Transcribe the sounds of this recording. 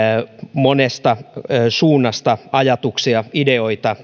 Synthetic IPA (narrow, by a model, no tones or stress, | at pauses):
monest̪ɑsuːnːɑst̪ɑɑjɑt̪uksiɑideoit̪ɑ